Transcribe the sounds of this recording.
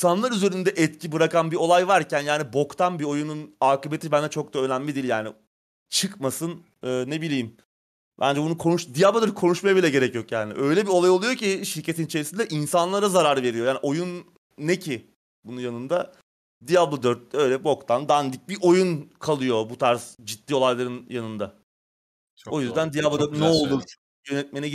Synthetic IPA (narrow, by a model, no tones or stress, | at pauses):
sanlˠaɾyze̞ɾind̪ɛʔɛt̪cʰibɯɾakanbio̞lˠajvaɾcænjaːnibo̞kt̪ʰanbio̞jununaːkɯbet̪ʰibænd̪ɛt͡ʃʰo̞k̚d̪aø̞næmlʲid̪ilʲjaːni | t͡ʃʰɯkmasɯn | ɯːne̞bilʲiːim | bæ̰nd͡ʒɛbunukʰo̞nuʃd̪ijablˠad̪ɯɾ̚kʰo̞nuʃmajabilʲɛɟe̞ɾɛcjo̞kjaːnḭʔøjlʲɛbio̞lˠajo̞lˠujo̞ciʃiɾcʰe̞t̪ʰinit͡ʃʰeɾisind̪ɛʔinsanlˠaɾazaɾaɾve̞ɾijo̞jaːniʔo̞junː | ecʰi | bununjanɯnd̪a | d̪ijablˠad̪øɾt̪̚ːɛø̞jlʲɛbo̞kt̪ʰand̪and̪ic̚biʔo̞junkʰalˠɯjo̞but̪ʰaɾsd͡ʒit̪ːiːo̞lˠajlˠaɾɯnjanɯnd̪a | o̞jyzd̪ænd̪ijabad̪ɯnɛolˠut͡ʃʰu | jø̞nɛt̪̚menɛ